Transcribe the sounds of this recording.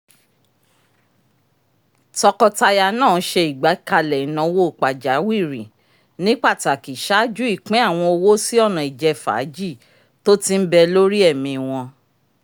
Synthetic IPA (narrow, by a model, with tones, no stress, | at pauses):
tɔ˧kɔ˧ta˧ja˧nãː˦˨˦ʃe˧i˨ɡ͡ba˨˦ka˧lɛ˨˦nã˧wo˦˨k͡pa˨d͡ʒa˨˦wi˦˨ɾḭ̃˨ | nĩ˦k͡pa˦˨ti˧˦a˨ki˨ʃa˦d͡ʒu˦i˦˨k͡pɛ̃˨˦a˦˨w̃ɔ̃˧o˧wo˦si˦ɔ˦˨nã˨i˨d͡ʒɛ˧fa̰˨˦d͡ʒi˦˨ | to˦ti˦m̩˦bɛ˧lo˦ɾi˦ɛ˦˨mĩ˧˨w̃ɔ̃˧